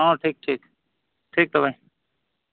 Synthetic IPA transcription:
ãːʈʰiːk̚ʈʰiːk | ʈʰiːk̚t̪əbaĩ

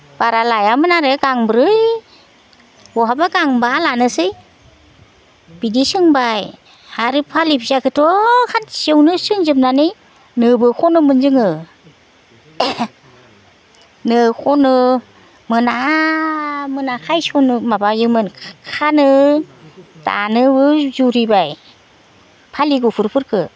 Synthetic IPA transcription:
b̥aɾalajamɯnaɾeɡaŋbɾɯj | bɔɦabaɡaŋbalanɯsɯj | b̥idisɯŋbaj | aɾipʰalipzakʰɯtʰɔkʰansewnɯsɯŋzɯp̚nanɯj | nɯbɯkʰɔnɯmɯnzɯŋɯ | nɯkʰɔnɯ | mɯna | mɯnakʰajsɔnɯmabajɯmɯnkʰanɯ | ta̰nɯbɯzuɾibaj | pʰaliɡupʰɯɾpʰɯɾkʰɯ

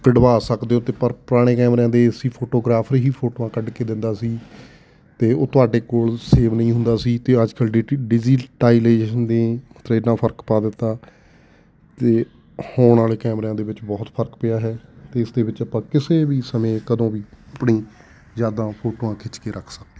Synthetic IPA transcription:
kəɖəbaːsəkd̪eːõːt̪eːpəɾpɾaːɽ̃eːkɛːmɾãːd̪eːɪsiːpʰoːʈoːɡɾaːpʰəɾɦiːpʰoːʈoːãːkəɖkeːd̪ɪnd̪aːsiː | t̪eːoːt̪ʊaːɖeːkoːlseːʋnəĩːɦʊ̃nd̪aːsiːt̪eːəd͡ʒkəlɖɖɪd͡ʒiːʈaːileːʃənd̪eːt̪ɾeːnãːpʰəɾkpaːd̪ɪt̪ːaː | t̪eː | hoːɳaːleːkɛːmɾãːd̪eːʋɪt͡ʃbɔːt̪pʰəɾkpɪjaːɦɛːt̪eːɪsd̪eːʋɪt͡ʃəpãːkɪseːʋiːsəmẽːkəd̪õːʋiːəpɳiː | zjaːd̪ãːpʰoːʈoːãːkʰɪt͡ʃkeːɾʔəkʰsək̚d̪e

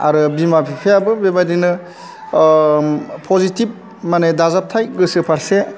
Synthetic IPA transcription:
a̰ɾɯbimapʰipʰajabɯbebadinɯ | pʰɔzitip̚ | manedazap̚tʰajɡɯsɯpʰaɾse

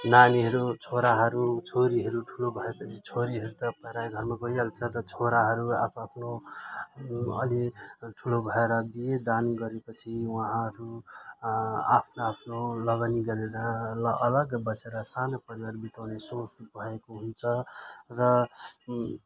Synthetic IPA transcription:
naniɦʌɾut͡sʰoɾaɦʌɾut͡sʰoɾiɦʌɾuʈʰulobʱʌepʌt͡sʰit͡sʰoɾiɦʌɾut̪ʌpʌɾajɡʱʌrmaɡʌialt͡sʰʌt̪ʌt͡sʰoɾaɦʌɾuapapʰno | ʌ̰liʈʰulobʱʌeɾʌbijed̪anɡʌɾepʌt͡sʰiwʌɦãʌɾu | a̰pʰnoapʰnolʌɡaniɡʌɾeɾʌlʌʌlʌɡbʌseɾʌsanopʌɾiaɾubit̪awnesosbʱʌekoɦunt͡sʰʌrʌ

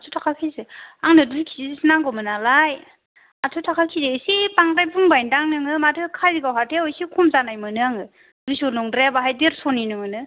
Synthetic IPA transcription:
atʰutʰakʰakʰizeaŋnɯduɾikʰizizsinaŋɡɔmɯnalaj | atʰɯtʰakʰakʰizesipaŋɾajbuŋbajndaŋnɯŋɯmatʰɯkʰaɾiɡawɦatʰewsikʰumzanajmɯnɯaŋɯ | duɾisonɔŋdɾebaɦajdeɾsɔninɯŋɯnɯ

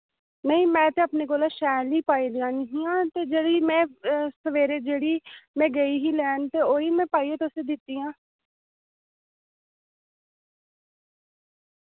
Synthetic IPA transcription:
nəĩːmɛ̃ːt̪eːəpneːkoːlaːʃɛːliːpaːiːlɪjãːnəɦĩːãːt̪eːd͡ʒeːɽiːmɛ̃ːsəʋeːɾeːd͡ʒeːɽiːmɛ̃ːɡəiːɦiːlɛːnt̪eːoːiːmɛ̃ːpaːiːeːt̪eʊseːd̪ɪt̪ːiːãː

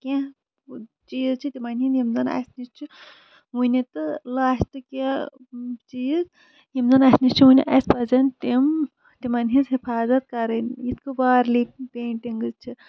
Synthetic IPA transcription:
kʲã | t͡ʃiːzt͡ʃʰit̪ʲimɐnɦinjimzɐnɐ̰snist͡ʃʰi | unʲit̪ɨlaːst̪ɨkʲa | t͡ʃiːz | jimzɐnɐsnist͡ʃʰiunʲḭʔɐ̰spɐzɐnt̪im | t̪imɐnɦĩzɦipʰaːzɐt̪̚kɐɾɐnjit̪ʰkɨbaːɾlipeːnʈiŋɡɨzt͡ʃʰi

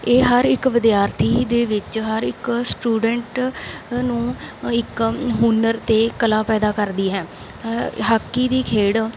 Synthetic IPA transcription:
eːɦəɾɪkʋɪd̪jaːɾt̪ʰiːd̪eːʋɪt͡ʃɦəɾɪksʈuːɖəɳʈ | nũːɪkɦuːnəɾt̪eːkəlaːpɛːd̪aːkəɾd̪iːɦɛ̃ː | ɦaːkːiːd̪iːkʰeːɽ

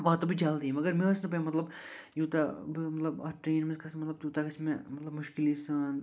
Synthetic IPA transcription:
baːt̪ːobʱid͡ʒaːld̪imɐɡəɾmẽʋɐsnɐp̬emɐt̪lɐbjuːt̪abmɐt̪lɐbɐ̰ʈɾeːnmɪskɐsmɐt̪lɐb̚t̪uːt̪akɐt͡ʃʰmẽmɐt̪lɐbmʊʃkɪlisɐn

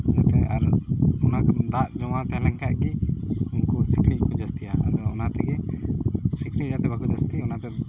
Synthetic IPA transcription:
d͡ʒat̪ɛaɾunakd̪aʔd͡ʒɔwat̪ɛlɛŋkaʔɡiunkusiklit̪̚kɔd͡ʒəst̪ijaa̰d̪ɔɔnat̪ɛɡɛ | sikliɾat̪ɛbakud͡ʒəst̪iɔnat̪ɛ

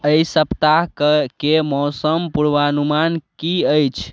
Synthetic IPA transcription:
əisəpt̪akəkemɔsəmpuɾʋanumankiəjt͡ʃʰ

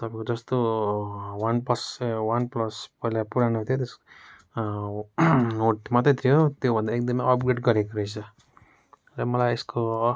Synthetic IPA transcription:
t̪ʌpãkod͡zʌst̪o | wanpʌswanplʌspʌilapuɾanuɦt̪ʰjot̪os | noʈmat̪ʌt̪ɾijot̪jobʱʌnd̪aek̚d̪ʌmijʌpɡɾeʈɡʌɾekoɾʌjt͡sʰʌ | ɾʌmʌlajesko

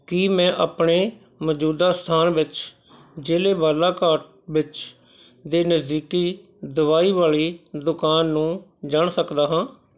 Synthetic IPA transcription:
kiːmɛ̃ːʔaːpɳeː | məd͡ʒuːd̪aːst̪ʰaːnʋɪt͡ʃ | d͡ʒeːleːbaːlaːkaːɾʈ̚ʋɪt͡ʃ | d̪eːnəzd̪iːkiː | d̪əʋaːiːʋaːliːd̪ʊkaːnːũːd͡ʒaɳsəkd̪aːɦãː

